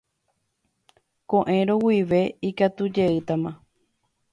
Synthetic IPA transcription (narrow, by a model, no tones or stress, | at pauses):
kõʔẽ̞ɾõwiʋe̞ikat̪ud͡ʒe̞ɨt̪amã